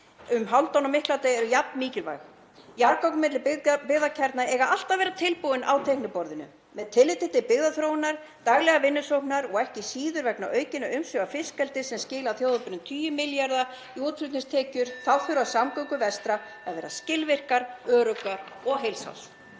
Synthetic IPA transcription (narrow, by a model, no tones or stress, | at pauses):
ʏmɦawlt̪awnamɪhklat̪ejɛɾʏjap̚nmiːcɪlva̰jx | jaɾkawknmɪt̪lɪpɪɣðacʰɛɾt̪naɛɣaal̥t̪avɛːɾat̪ʰɪlpuwɪnʔawt̪ʰejhknɪpɔɾðɪnʏ̰ | mɛðt̪ʰɪlːɪt̪ɪt̪ːɪpɪɣðaθɾoːwɪnaɾ̥ | t̪aɣlɛɣavɪnːʏsowknaɾɔɣɛhcɪsiːðʏɾvɛkna̰ʔœːɥcɪnːaʏmsʏafɪskɛlt̪ɪsɛmscɪːlawθjoːwðapʏɾnʏmt̪ʰyːjʏmɪljaɾða | iuːt̪fʏt̪nɪst̪ʰɛːcʏɾ̥θawfʏɾʏasamkœwkʏvɛst̪ɾa | aðvɛːɾascɪlvɪr̥kaɾœːɾœkaɾɔɣɦejlsa̰ws